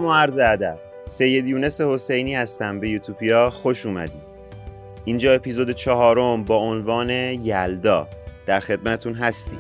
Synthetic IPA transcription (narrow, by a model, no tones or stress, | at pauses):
moæɾzeæd̪æb̥ | se̞jːe̞d̪juːne̞se̞ho̞se̞jniːhæst̪æmbe̞juːt̪ʰuːbʰijɒːxo̞ʃuːmæ̰d̪iː | ind͡ʒɒːe̞pʰizoːd̪et͡ʃʰɒɦɒːɾombɒːonvɒːne̞jæld̪ɒːd̪̥æɾxe̞d̪̚mæt̪t̪ʰunɦæst̪ḭ̥